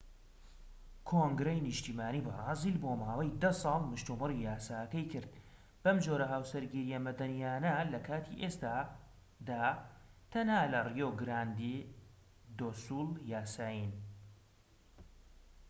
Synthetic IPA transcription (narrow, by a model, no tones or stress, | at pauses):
kʰoŋɡɾejnɨʃt̪iːmaːniːbɐrˤɑːzilboːmaːwɐjd̪ɐsˤɑːlˠmɨʃt̪umɨrijaːsaːkɐjkʰɨɾd̪̚ | bɐmd͡ʒoːɾɐɦaːwsɐɾɡiɾijɐmɐd̪ɐnijaːnɐlɐkʰaːt̪ʰiʔest̪aː | d̪aːt̪ʰɐnhaːlɐrijoɡɨɾaːnd̪i | d̪oːsuːljaːsaːjin